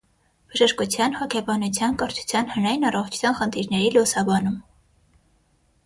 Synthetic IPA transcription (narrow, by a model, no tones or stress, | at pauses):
b̥əʒəʃkut͡sʰjɑnhɔkʰɛbɑnut͡sʰjɑnkəɾt͡ʃʰu̥t͡sʰjɑnhənɑjinɑrɔχt͡ʃʰu̥t͡sʰjɑnχənt̪ʰiɾnɛɾilusɑbɑnum